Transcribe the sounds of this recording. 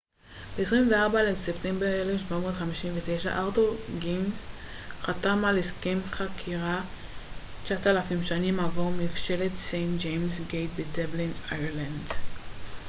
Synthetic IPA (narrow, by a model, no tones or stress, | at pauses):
b̥eesʁimveaʁbalesepte̞mbeʁelefʃvamo̞dχamiʃimvete̞jʃa̰ʔaʁtoʁɡinz | χatamaleskemχakʰiʁa | t͡ʃatalafimʃanimavoʁmifʃe̞let̪sejnt̚d͡ʒejmsɡejt̚bedeblinajʁland